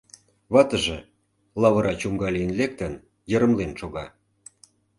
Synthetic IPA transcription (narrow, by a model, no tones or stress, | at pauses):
βɑt̪ə̆ʒĕ | lɑβəɾʔɑt͡ɕumɡɑlijənlek̚t̪ən | jə̆ɾə̆mlenʃoɣɑ̰